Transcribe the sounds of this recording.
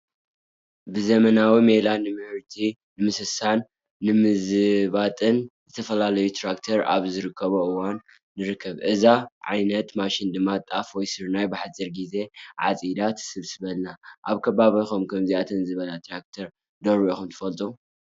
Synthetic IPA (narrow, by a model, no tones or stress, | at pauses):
bɨzɐmɐnawimelanːɨmɨhɨɾt̪ʰi | nɨmɨsɨsanː | ɨmɨzɨβat̪ʼɨnzɨt̪ʰɐfɐlalɐjut̪ʰɾakt̪ʰɐɾa̰βzɨɾɨkʰːɐβoʔɨwanː | ɨɾɨkʰːɐβʔɨzaʕa̰jnɐt̪maʃind̪ɨmːat̪ʼafwɔjsɨɾnajbɨħat͡sʼːɨɾɡize̞ʕa̰t͡sʼid̪at̪ʰsɨβsɨβɐlːaʔaβkʰɐβaβixomkʰɐmziʔat̪ʰɐnzɨβɐlat̪ʰɾak̚t̪ʰɐɾ | d̪oɾioxumt̪ʰɨ̥fɐlt̪ʼu